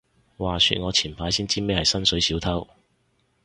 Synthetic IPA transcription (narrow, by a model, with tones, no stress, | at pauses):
waː˨sy̰˧t̚ŋɔː˨˧t͡sʰiː˨˩npʰaː˨˥jsiː˥nt͡siː˥me˥jhɐ˨jsɐ˥nsɵ˨˥jsiː˨˥wt̪ʰɐ˥w